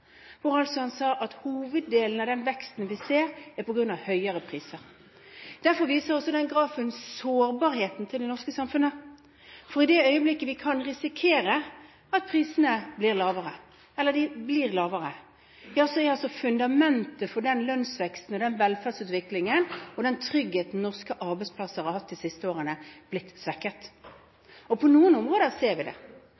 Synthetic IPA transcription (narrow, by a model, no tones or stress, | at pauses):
ʋʊɾɑlsɔhɑnsɑːʔɑt̪huːʋəd̪ːeːln̩ɑʋd̪ɛnʋɛkst̪n̩ʋɪseːɾæɾpʰɔɡɾʉnɑʋhœʏəɾəpʰʁiːsəɾ | d̪̥æɾfɔɾʋiːsəɾɔsːɔd̪ɛnɡɾɑːfənsoːɾbɑɾheːt̪n̩t̪ʰɪld̪ɛnɔʁskəsɑmfʉnə | fɔɾɪd̪ɛœʏəblɪkːəʋɪkʰɑnʁɪsɪkʰeːɾə | ɑt̪̚pʰɾiːsənəblɪʁlɑːʋəʁə | ɛlːəd̪ɪbliːʁlɑːʋəɾə | jɑsɔɑlsɔfʉnd̪ɑmɛnt̪əfɔɖ̪ɛnlœnsʋɛkst̪n̩ɔd̪ɛnʋɛlfæʁd̪sʉːt̪ʋɪklɪŋənɔd̪ɛnt̪ʰɾʏɡheːt̪nnɔʁskəʔɑɾbɛɪtspʰlɑsəhɑɾhɑt̪ːɪsɪst̪əoːʁənəb̥lɪt̪ːsʋɛkːət̪ | ɔpʰɔnuːənʊmʁoːd̪əseːɾʋɪd̪ɛ̰